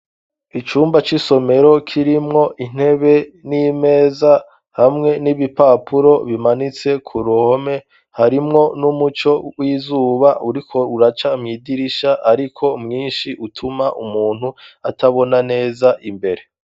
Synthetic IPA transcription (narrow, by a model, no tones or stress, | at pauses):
it͡ʃuːmbat͡ʃiso̞me̞ɾo̞kʰiɾimŋo̞ʔin̥e̞βe̞nime̞ːza | hamŋe̞niβipaːpʰuɾo̞βimanit͡se̞kʰuɾuho̞me̞ | haɾimŋo̞numut͡ʃo̞wiːzuːβaʔuɾikʰo̞uɾat͡ʃamŋiːɡiɾiʃaʔaɾikʰo̞mŋiːnʃiʔutʰumaʔumuːn̥huatʰaβo̞nane̞ːzaʔimbe̞ɾe̞